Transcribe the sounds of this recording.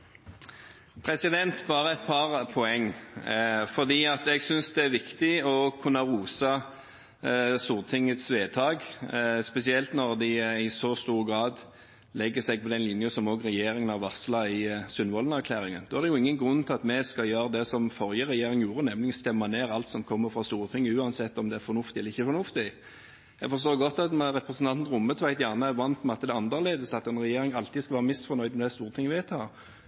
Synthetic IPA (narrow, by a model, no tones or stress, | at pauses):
pʰɾɛsɪd̪ɛnt̪bɑːɾəɛt̪̚pʰɑʁpʰɔɛŋː | fɔʁd̪iːɑt̪ɛɡsʏnsd̪ɛæɾʋɪkt̪ɪɔkʰʉnːɑʁuːsɑ | st̪uːʁt̪ʰɪŋːət̪sʋeːt̪ʰɑːɡspɛsɪɛlt̪nɔʁd̪ɪɪsɔst̪uːʁəɡʁɑːd̪ | lɛɡːəsɛɡ̚pʰɔd̪ɛnlɪnjəsɔmɔːɡʁɛjeːɾɪŋənɑʋɑslɑɪsʏnʋɔlən̩æɾkʰlæːɾɪŋənd̪oːæʁd̪ɛjʊɪŋːənɡɾʉnːt̪ʰɪlɑt̪mɛskɑjøːɾəd̪ɛsɔmfɔɾjəʁɛjeːɾɪŋjuːɾənɛmlɪɡənst̪ɛmːɑneːɾɑlt̪sɔmkʰɔmːəfɾɑst̪uːɾət̪ʰɪŋːəʉːɑnsɛt̪ːɔmd̪ɛæɾfɔɾnʊft̪ɪɛləɪçːəfɔɾnʊft̪ɪ | ɛ̰ɡfɔɾs̬t̪oːʁɡɔt̪ːɑt̪mɾɛpɾɛsən̩t̪ʰɑnt̪nɾʊmːət̪ʰʋæɪt̪jæʁnəæʋɑnt̪mɛɑt̪d̪ɛɑnd̪əʁleːd̪əsɑt̪ɛnɾɛjeːɾɪŋɑlt̪ɪskɑʋæːɾəmɪsfɔɾnœʏd̪mɛd̪ɛst̪uːʁət̪ʰɪŋːəʋɪæt̪ʰːɑ